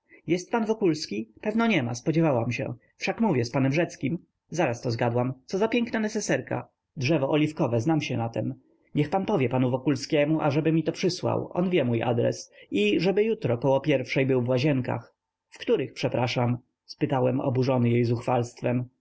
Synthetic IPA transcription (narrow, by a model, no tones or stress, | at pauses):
jɛst̪̚panvɔkulskʲipɛvnɔɲɛma̰spɔd͡ʑɛvawamɕɛ̰ | fʂakmuvʲjɛspanɛmʐɛt̪skʲim | zaɾast̪ɔzɡad̪wamt̪sɔzapʲjɛŋknanɛsɛsɛɾka̰ | dʐɛvɔʔɔlʲifkɔvɛznamɕɛnat̪ɛm | ɲɛxpanpɔvʲjɛpanuvɔkulskʲɛmuʔa̰ʐɛbɘmʲit̪ɔpʂɘswa̰wʔɔ̰nvʲjɛmuja̰d̪ɾɛ̰siʐɛbɘjut̪ɾɔkɔwɔpʲjɛɾfʂɛjbɘwvwaʑɛŋka̰x | fkt̪uɾɘxpʂɛpɾaʂam | spɘt̪awɛmɔ̰buʐɔnɘjejzuxfalst̪fɛm